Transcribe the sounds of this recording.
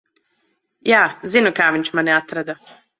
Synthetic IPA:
jaːzinokaːʋinʲt͡ʃmanɛat̪ɾad̪a

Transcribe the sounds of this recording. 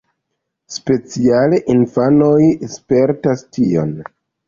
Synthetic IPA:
spe̞t͡sialeʔinfano̞jspe̞ɾtastio̞̰n

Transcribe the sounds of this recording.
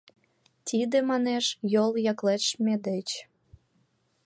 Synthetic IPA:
t̪ʲid̪emɑneʃjoljɑklet̪ʃmed̪et͡ɕ

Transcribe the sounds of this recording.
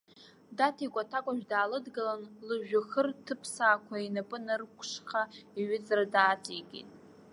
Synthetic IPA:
datʰikʷʼatʰakʷʼaʒᶣdaːlɨdɡalanlɨʒᶣaxərtʰɨpʰsaːkʷʰainapʼɨnɨrkʷʰʂχaiɥɪt͡sʼradaːt͡sʼiɡʲḭtʼ

